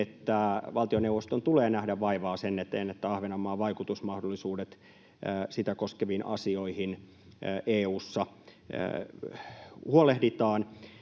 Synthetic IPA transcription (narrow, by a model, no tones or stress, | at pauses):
et̪ːæʋɑlt̪ioneuʋost̪ont̪uleːnæhdæʋʋɑiʋɑːsenːet̪eːnːet̪ːæɑhʋenɑmːɑːʋɑikut̪usmɑhdolːisuːdet̪ː | sit̪ækoskeʋinʔɑ̰sioihin | ʔeːuːsːɑ̰ | huolehdit̪ɑːn